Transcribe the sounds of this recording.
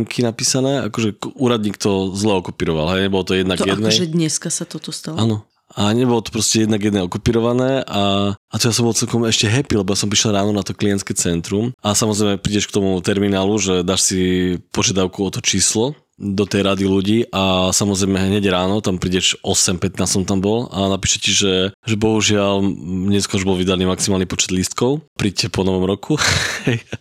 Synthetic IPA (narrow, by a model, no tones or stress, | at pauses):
ŋkʰinapiːsanɛːa̰kɔʒɛuːɾad̪̚ɲiːkt̪ɔzlɛɔkɔpiːɾɔʋa̰lɦɛjɲɛbɔlɔt̪ɔjɛd̪naɡjɛdd̪nɛʒɛd̪ɲɛskasat̪ɔt̪ɔst̪aanɔ | aɲɛbɔlɔt̪ɔ̥pɾɔscɛjɛd̪naɡjɛd̪nɛɔkɔpiːɾɔʋanɛːʔaat̪ɔjasɔmbɔlt͡sɛlkɔmɛʃcɛɦɛpilɛbɔjasɔmpɾiʃɛlɾaːnɔnat̪ɔkliɛnt̪skɛt͡sɛnt̪ɾumʔasamɔzɾɛjmɛpɾiɟɛʃkt̪ɔmut̪ɛɾminaːluʒɛd̪aːʃsipɔʒɪad̪aʊkuɔt̪ɔt͡ʃiːslɔ | d̪ɔt̪ɛjɾad̪iluɟiːʔasamɔzɾɛjmɛɦɦɲɛɟɾaːnɔt̪ampɾiːɟɛʒɔsɛmpɛt̪naːssɔmt̪ambɔlanapiːʃɛciʒɛʒɛbɔɦuʒɪalɲɛskɔɾuʒbɔlʋid̪aniːmaksimaːlnipɔt͡ʃɛd̪list̪kɔʊpɾiːccːɛpɔnɔʋɔmɾɔkʰuɛj